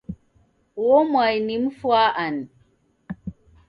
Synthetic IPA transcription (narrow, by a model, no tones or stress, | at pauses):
womwajnimfwaʔan